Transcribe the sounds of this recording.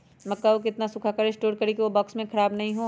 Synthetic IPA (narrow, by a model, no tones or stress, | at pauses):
mɐkːaokɪt̪nasʊkʰakaɾɪsʈoːɾkɐɾikiʋobɔːksmẽkʰɐɾaːbnɐɦĩɦoː